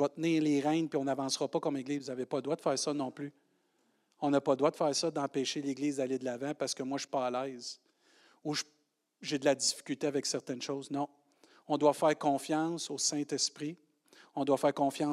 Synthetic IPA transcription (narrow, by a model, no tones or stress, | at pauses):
wat̪̚nɪːʁleːʁɛ̃npiɔ̃navɑ̃ːsʁɔpɔkʌmeɡlizvuzavepɔd̪ʁwad̪əfɛːʁsʌnɔ̃ːply | ɔ̃napɔd̪ʁwad̪əfɛːʁsʌd̪ɑ̃pɛːʃeleɡliːzd̪aled̪əlavãpaʁsə̥kəmwaʃy̥pɔːlɛɪz | uʒ | ʒed̪əlad͡zifi̥kʲylt̪eavɛksɛʁt̪ɛnʃɔwznɔ̃ | ɔ̃d̪wafɛːʁkɔ̃ːfjɑ̃soːsɛ̃t̪ɛspʁi | ɔ̃d̪wafɛːʁkɔ̃fjɑ̃